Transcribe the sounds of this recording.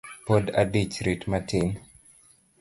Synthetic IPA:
poda̰dit͡ʃɾitmatin

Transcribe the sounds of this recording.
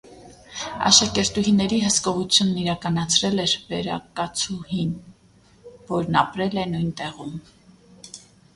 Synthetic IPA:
ɑ̰ʃɑkɛɾt̪uɦinːɛɾiɦəskɔʁut͡sʰjunːiɾɑkɑnɑt͡sʰɾɛlɛɾvɛɾɑkɑt͡sʰuhin | vɔɾnɑpɾɛlɛnujnt̪ɛʁum

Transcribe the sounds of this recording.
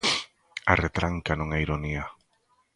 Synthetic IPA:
aret̪ɾaŋkanũŋaiɾonia

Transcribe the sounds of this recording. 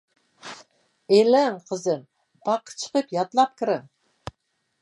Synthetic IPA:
elæŋqʰəzɨn | b̥ɑqə̥t͡ʃʰə̥qəpjɑt̪lˠɑp̚kʲʰɪɾɪŋ

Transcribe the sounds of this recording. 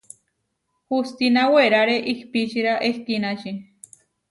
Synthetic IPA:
hust̪inaweɾaɾeʔihpit͡ʃiɾaʔehk̪inat͡ʃi

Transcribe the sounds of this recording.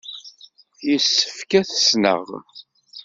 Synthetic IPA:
jəsːə̥fkæθə̥snə̰ʁ

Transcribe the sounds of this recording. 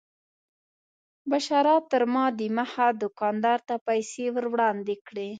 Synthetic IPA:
baʃɑɾɑt̪ːəɾmɑd̪imahad̪ʊkɑnd̪ɑɾt̪apajsewəɾwɽɑnd̪ekɽe

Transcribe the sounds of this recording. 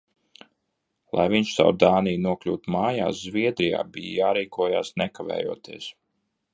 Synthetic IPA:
lˠʔa̰jviɲʃsa̰wɾd̪aːnijnuɔklʲṵːt̪umaːja̰ːszviɛd̪ɾija̰ːbijjaːɾiːkuɔja̰ːsnɛkavɛ̰ːjuɔt̪iɛs

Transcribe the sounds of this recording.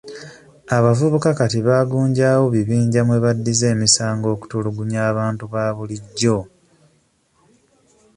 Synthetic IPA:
aβavuβukakatiβaːɡuːɲɟaːwo̞βiβiːɲɟamwe̞βadːize̞ːmisaːŋɡo̞ːku̥tuluɡuɲaːβaːntuβaːβuliɟːo̞

